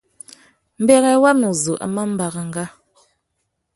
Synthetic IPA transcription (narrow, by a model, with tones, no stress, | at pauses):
m̩˦bɛ˦ɣɛ˨˦wa˦mnə˨zu˨ʔa̰˨ma˦m̩˦ba˨ɣə˨ŋ̩˦ɡa˦